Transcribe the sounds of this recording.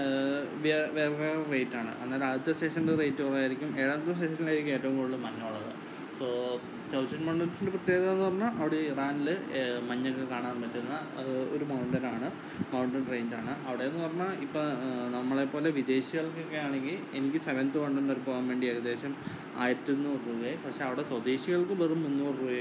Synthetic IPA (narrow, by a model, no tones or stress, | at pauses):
ʋiʋeːrʋerejtːaːɳɨ̰ʔɐ̰nːaːɾaːdt̪ːɐsteʂɐnderejtːɨpɐrɐjajiɾikʲːumeːɽɐnt̪ːɐs̬eʂɐnileikʲːueːtːɐʋumŋkoɭːɨmɐɲːoːɭːɐðɨ̰ | soː | tɐwt͡ɕɐnmɐɳɖɐnsindeprɐt̪jeːɣɐenːɨpɐrɐnːaʔɐʋiɽeiraːnilɨmɐɲːɐkːɨkaːɳaːnpɐtːunːɐɐðo̰ɾumɐwɳɖɐnaːɳɨ | mɐwɳʈɐnreːɲd͡ʑaːɳɨʔɐʋiɽeenːɨpɐrɐnːaipːonɐmːɐɭepːo̞ːleʋid̪e̞ːɕiɣɐɭkokːejaːɳe̞ŋɡile̞nikʲːɨseʋɐnd̪uɐɳɖɐnɐɾpoːnmeɳɖieɣɐd̪e̞ːɕɐm | a̰ːjiɾtːunːuruɣɐpɐʈʂe̞ɐʋiɽe̞swɐd̪eːɕiɣɐɭkɨʋerummːunːuːruːɐ